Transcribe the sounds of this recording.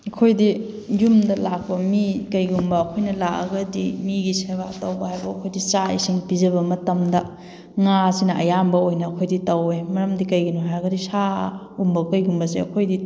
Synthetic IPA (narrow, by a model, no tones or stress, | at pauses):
ɐkʰojdi | jumdɐlak̚pɐmikɐjɡumbɐːkʰojnɐlakɐ̰ɡɐdimiɡiseβatɐwbɐhajbɐːkʰojdit͡ʃaisiŋpizɐbɐmɐtɐmdɐ | ŋasinɐʔɐjambɐojnɐːkʰojditɐwemɐɾɐmdikɐjɡinuɦajɐɡɐdisa | umbɐkɐjɡumbɐseɐ̰kʰojdi